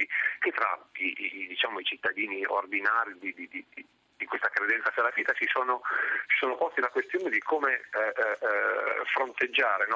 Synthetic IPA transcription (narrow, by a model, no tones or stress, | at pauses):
iket̪ːɾa̰id̪it͡ʃaːmoit͡ʃit̪ːad̪iːnio̰rd̪inaːɾid̪id̪id̪id̪̥i | d̪̥ikwest̪akɾed̪ɛnt̪sapalːaviːt̪at͡ʃisoːnot͡ʃi̥soːnopɔst̪ilakwest̪joːned̪ikʰoːme | fɾont̪ed͡ʒːaːɾenɔ